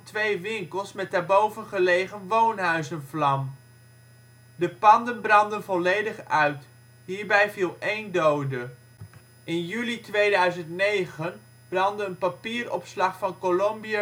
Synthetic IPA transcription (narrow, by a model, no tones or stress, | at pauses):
tʋejʋɪŋkəlˠsmɛt̚naːɹbowvənχəlejχənʋownɦœɥzənvlɑm | dəpɑndənbrɑndənvɔlejdəχœɥt | ɦiːɹbɛjvilˠejndowdə | ɪnjylitʋejdœɥzəntnejχən | b̥rɑndəənpapiːrɔ̰pslɑχfɑnkolɔmbia